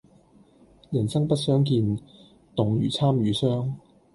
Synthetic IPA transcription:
jɐ˨˩nsɐ˥ŋpɐ˥t̚sœː˥ŋkiː˧n | t̪ʊ˨ŋjyː˨˩t͡sʰaː˥mjyː˨˥sœː˥ŋ

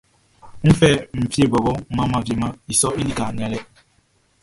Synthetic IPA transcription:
m̩˦fɛ˦m̩˨fe˦˨bɔ˨bɔ˦ma˦ma˦˨vje˨˦ma˦i˨sɔ˦i˦li˦ka˨ni˨a˦lɛ˦

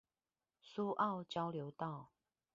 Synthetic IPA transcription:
su˦ʔɑ˥˨ʊt͡ɕjɑ˦ʊljo˨˦ʊt̪ɑ˥˨ʊ

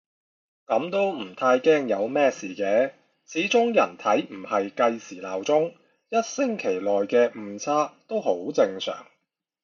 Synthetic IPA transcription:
kɐ˨˧˥mt̪o˥wm̩˨˩t̪ʰaː˧jkɛː˥ŋjɐ˨˧wmɛː˥siː˨˩kɛː˨˥ | t͡sʰiː˨˥t͡sʊ˥ŋjɐ̰˨˩nt̪ʰɐ˨˥jm̩˨˩hɐ˨jkɐ˧jsiː˨˩laː˨˩wt͡sʊ˥ŋ | jɐ˥t̚sɪ˥ŋkʰe˨˩jlɔː˨jkɛː˧m̩ː˨˧t͡sʰaː˥t̪o˥who˨˥wt͡sɪ˧ŋsœ̰ː˨˩ŋ

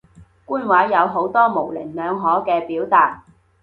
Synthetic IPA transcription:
kuː˥nwaː˨˥jjɐ˨˧wɦo˨˥wt̪ɔː˥mo˨˩wlɪ˨˩ŋnœː˨˧ŋɦɔː˨˥kɛː˧piː˨˥wt̪aː˨t̚

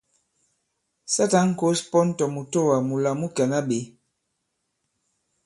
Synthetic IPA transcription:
sa˦ta˦ŋ̩˨˦ko˦spɔ˦n˦tɔ˨mu˨to˦wa˨mu˨la˨mu˦ka˨na˦ɓe˨

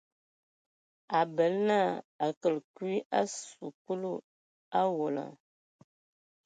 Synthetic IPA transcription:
a˨bə˨˦lna˦˨a˨kə˨lkwi˦ʔa˦su˨ku˦lu˦˨ | a˦wo˨la̰˨

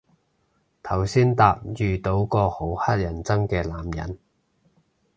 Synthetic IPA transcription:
t̪ʰɐ˨˩wsiː˥nt̪aː˧p̚jyː˨t̪o˨˥wkɔː˧ho˨˥whɐ˥t̚jɐ˨˩nt͡sɐ˥ŋkɛː˧laː˨˥mjɐ̰˨˩n

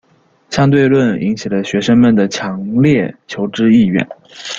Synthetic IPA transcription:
ɕjɑ˥ŋt̪̬we˥˧ɪlwə˥˩nḭ˧˥ŋt͡ɕʰi˨˩lə˦ɕɥɛ˧˥ʂə˥ŋmə˨˩nd̪ə˩t͡ɕʰjɑ˧˥ŋljɛ˥˩t͡ɕʰjo˧˥ʊʈ͡ʂɻ̩˥i˥˧ɥɛ̰˥˩n

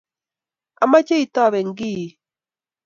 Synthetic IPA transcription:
a˨ma˦t͡ʃe˦i˨ta˦˨βe˨ŋ˦ɡiː˦˨

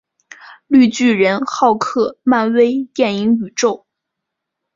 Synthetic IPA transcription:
ly˥˧t͡ɕy˥˩ɻə˧˥nxɑ˥˧ʊkʰɤ˥˩ma˥˧nwe˥ɪt̪jɛ˥˩ni˧˥ŋy˨˩ʈ͡ʂo˥˩ʊ

